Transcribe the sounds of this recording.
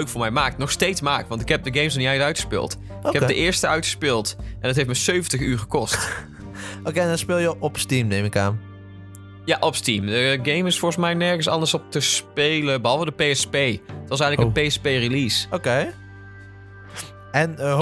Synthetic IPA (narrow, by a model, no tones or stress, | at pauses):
øɥkfʊːɹmɛjmaːk̚tnɔxstejtsmaːktʋɑntɪkɦɛp̚dəɡejmsnɔniɛjətœɥtxə̥spɪ̰ːlˠt | ɪkɛpdəʔɪːɹstəœɥtxə̥spɪːlˠtʔɛndɑtɦejftmɛsøɥvəntəxyːɹɣəkɔst | okendɑnspɪːlˠjəʔɔpstimnejmɪka̰ːn | jaʔɔpstimdəɡejmɪsfɔɹɣəsmɛjnɛɹɣənsɑ̰ndəɹsɔp̚təspeːləbəɦɑlˠvədəpejɛspejətʋɑs̬ɛjɣŋnləkənpejɛspejrilisokej | ɛn